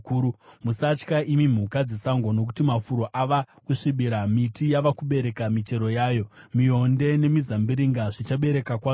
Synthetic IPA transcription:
kuumusat͡ʃkaʔimim̤ukad͡zesaŋɡo̞no̞k̬utimafuɾo̞ʔaʋa | kuʂiɓiɾamitijaʋakuɓe̞ɾe̞kamit͡ʃe̞ɾo̞jaːjo̞mio̞nde̞ne̞mizambiɾiŋɡaʐit͡ʃaɓe̞ɾe̞kakwaː

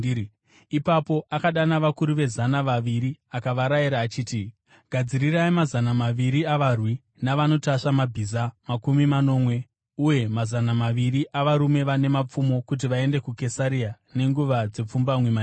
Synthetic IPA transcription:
ipapo̞ʔakaɗanaʋakuɾuʋe̞zanaʋaʋiɾiakaʋaɾaiɾaːt͡ʃiːti | ɡ̥ʱad͡ziriraimazanamaʋiɾiaʋarwi | naʋano̞taʃamabʱizamakumimano̞ːmwe̞ | uje̞mazanamaʋiriʔaʋaɾume̞ʋane̞map͡fumo̞kut̬iʋae̞nde̞kuke̞saɾia | ne̞ŋɡuʋad͡ze̞p͡fumbamwema

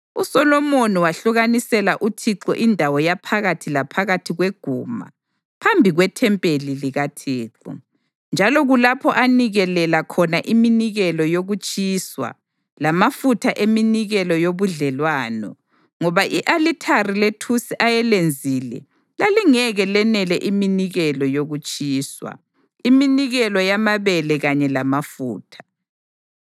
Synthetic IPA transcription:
usɔlɔmoniwaɬuɣanisɛlaʔutʰiǁɔ̰ʔindʱawɔjapʰaɣatʰilapʰaɣatʰiɣweɡ̥ʱṵːma̰ | pʰambʱiɣwɛtʰɛmpʼeliliɣatʰɛːǁɔ̰ | nd͡ʒʱalɔɣulapʰɔʔaniɣɛlɛlakʰɔnaʔiminiɣɛlɔjoɣut͡ʃʼiːswa̰ | lamafutʰaʔeminiɣɛlɔjoβuɮɛlwaːnɔ̰ | ŋɔβaʔiʔalitʰariletʰusiʔajɛlend͡zʱiːlɛ̰ | laliŋɛɣɛlɛnɛlɛʔiminiɣɛlɔjoɣut͡ʃʼiːswa̰ | iminiɣɛlɔjamaβɛlɛɣaɲɛlamafuːtʰḁ

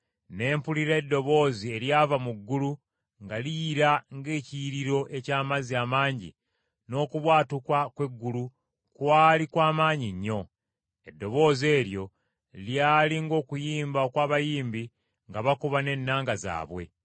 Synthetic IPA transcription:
ne̞ːmpuliɾeːdːo̞βo̞ːzie̞ljaːvamuɡːulu | ŋɡalijːɾaŋɡe̞ːciɾiɾo̞ʔe̞caːmaziamaːɲɟḭ | no̞ːkuβwaːtukwakwe̞ɡːulu | kwaːlikwaːmaːɲiɲːo̞ | e̞dːo̞βo̞ːze̞ːɾjo̞ | ljaːliŋɡo̞ːkujiːmbaokwaːβajiːmbi | ŋɡaβakuβane̞nːaːŋɡaza̰ːβwe̞̰

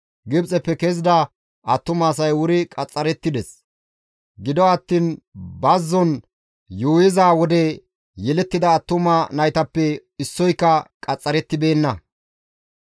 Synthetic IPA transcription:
ɡɪbt͡sʼɛpːɛkezɪd̪ɐ | ɐt̪ːʊmaːs̬ɐjwʊɾɪkʼɐt͡sʼːɐɾɛt̪ːɪd̪ɛs | ɡɪd̪ɔɐt̪ːiːnbɐzːɔn | juːjɪzaːwɔd̪ɛ | jɛlɛt̪ːɪd̪ɐːt̪ːʊmanɐjt̪ɐpːɛɪsːɔjkːɐkʼɐt͡sʼːɐɾɛt̪ːɪbe̞ːnːɐ

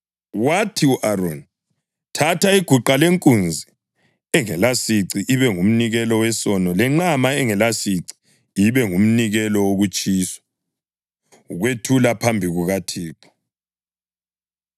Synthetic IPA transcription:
watʰiuʔaron | tʰatʰaiɡ̥ʱuǃaleŋkʼund͡zʱi | ɛŋɛlasiǀiʔːβɛŋum̩niɣɛlɔwɛsɔnɔlɛŋ͡ǁamaɛŋɛlasiǀi̥ | iβɛŋum̩niɣɛlɔwoɣut͡ʃʼiːsḁ | uɣwetʰulapʰambʱiɣuɣatʰiːpʰɔ̥

